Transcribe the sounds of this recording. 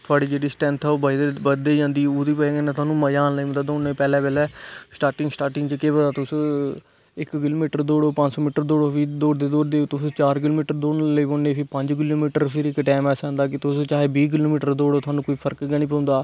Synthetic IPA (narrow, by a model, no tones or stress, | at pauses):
t̪ʰʊaːɽiːd͡ʒeːɽiːsʈɛ̃ːnt̪ʰːobaid̪ebəd̪eːd͡ʒãːnd̪iːoːd̪iːpɛẽenãːt̪ʊaːnũːməjaːnləiõnd̪aːd̪oːnːeːpɛːlɛ̃ːpɛːlɛːsʈaːɾʈɪŋɡsʈaːɾʈɪ̃ŋɡt͡ʃəkeːbə̃d̪aːt̪ʊs | ɪkkɪloːmiːʈəɾd̪oːɽoːpə̃ɲd͡ʒsɔːmiːʈəɾd̪oːɽoːpʰid̪oːɾd̪eːd̪oːɾd̪eːt̪ʊst͡ʃaːɾk̬ɪloːmiːʈəɾd̪oːnləiːbõːneːpʰɪpəɲd͡ʒk̬ɪloːmiːʈəɾpʰɪɾɪkːʈɛːmɛːsãːnd̪aːkɪt̪ʊst͡ʃaːɦeːbiːk̬ɪloːmiːʈəɾd̪oːɽoːt̪ʰaːnũːkoːiːpʰəɾkɡɛːɽ̃iːp̬ə̃ʊ̃nd̪aː